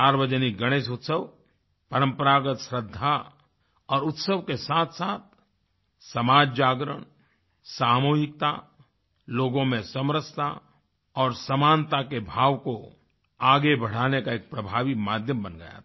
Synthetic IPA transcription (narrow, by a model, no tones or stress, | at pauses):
aːɾwəd͡ʒəniɡɐɽ̃eːʃʊt̪səʋ | pɐɾə̃mpəɾaːɡət̪ʃɾəd̪ʱːa | ɔːɾʊt̪səʋkesaːt̪ʰsaːt̪̚ʰ | sɐmaːd͡ʒd͡ʒaːɡɾə̰ɳ̃ | saːmuːɦɪk̚t̪a̰ | loːɡõmẽsɐmɾəst̪a̰ | ɔːɾsɐmaːnt̪akebʱaːʋko | aːɡebɐɽ̤aːnekaeːk̚pɾɐbʱaːʋimaːd̪ʱjəmbənɡə̰ja̰tʰ